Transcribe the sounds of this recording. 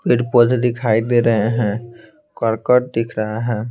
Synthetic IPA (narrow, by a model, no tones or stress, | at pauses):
kɪɖpod̪ʱd̪ɪkʰaid̪eɾəɦeɦɛ̃ | kəɾkəʈ̚d̪ɪkʰɾəɦaɦɛ̃